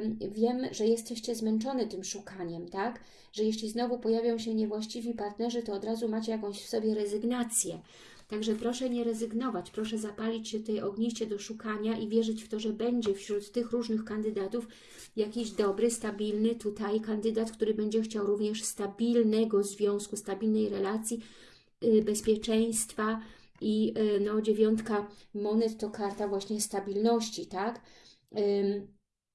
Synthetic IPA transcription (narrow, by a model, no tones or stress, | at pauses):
vʲjɛmʐɛjɛst̪ɛɕt͡ɕɛzmɛnt͡ʂɔnɛt̪ɘmʂukaɲɛmt̪ak | ʐ̥ɛjɛɕʲlʲiznɔvupɔjavʲjɔ̃w̃ɕɛɲɛvwaɕt͡ɕivʲipaɾt̪nɛʐɘt̪ɔːd̪ɾazumat͡ɕɛjakɔ̃w̃ɕfsɔbʲjɛɾɛzɘɡnat̪sʲjɛ | t̪aɡʐɛpɾɔʂɛɲɛɾɛzɘɡnɔvat͡ɕpɾɔʂɛzapalʲit͡ɕɕɛft̪ɛjʔɔɡɲiɕt͡ɕɛd̪ɔʂukaɲaʔivʲjɛʐɘt͡ɕft̪ɔʐɛbɛɲd͡ʑɛfɕɾut̪ːɘxɾuʐnɘxkand̪ɘd̪at̪uf | jakʲiʑd̪ɔbɾɘst̪abʲilnɘt̪ut̪ajkand̪ɘd̪at̪kt̪uɾɘbɛɲd͡ʑɛxt͡ɕawɾuvɲɛʂst̪abʲilnɛɡɔzvʲjɔ̃w̃skust̪abʲilnɛjɾɛlat̪sʲji | bɛspʲjɛt͡ʂɛj̃st̪fa | inɔd͡ʑevʲjɔnt̪kamɔnɛt̪ːɔkaɾt̪avwaɕɲɛst̪abʲilnɔɕt͡ɕit̪ak